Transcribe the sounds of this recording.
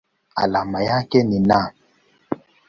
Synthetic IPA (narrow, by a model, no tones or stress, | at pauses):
a̰lamajakɛnina